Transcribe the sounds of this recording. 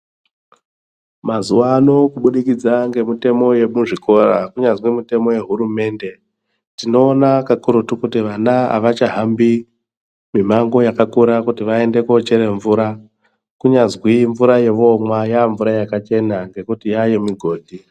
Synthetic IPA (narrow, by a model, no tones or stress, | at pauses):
mazuwaːno̞kuɓuɗikid͡zaŋɡe̞mite̞mo̞je̞muʐikʰo̞rakuɲazwimite̞mo̞je̞ɦurume̞nde̞ | tino̞ːnakakuɾutukutiʋanaa̰ʋat͡ʃaɦambi | mim̤aŋɡo̞jakakuɾakutiʋae̞nde̞kot͡ʃeɾe̞ɱvuɾa | kuɲazwiɱvuɾaje̞ʋo̞mwajaːɱvuɾajakat͡ʃe̞naŋɡe̞kutijaje̞miɡʱo̞ːdʱi